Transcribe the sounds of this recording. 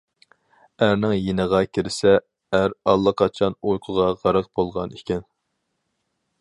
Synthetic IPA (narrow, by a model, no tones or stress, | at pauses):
æɾnɪŋjenəʁɑkʲʰiɾɪsɛː | ɾɑlˠːəqʰɑt͡ʃʰɑnujqʰʊʁɑʁɑɾəq̚b̥olˠʁɑ̰nikʲɛn